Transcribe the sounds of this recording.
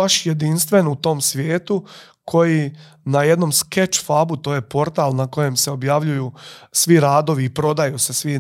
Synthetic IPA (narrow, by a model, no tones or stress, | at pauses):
aʃje̞d̪inst̪ʋe̞nut̪o̞ːmsʋjeːt̪u | kʰo̞ji | naje̞d̪no̞mske̞t͡ʃfabut̪o̞ːje̞po̞ɾt̪aːlnako̞je̞mse̞o̞bjaʋʎujuːsʋiɾaːd̪o̞ʋiːpɾo̞d̪ajuse̞sʋi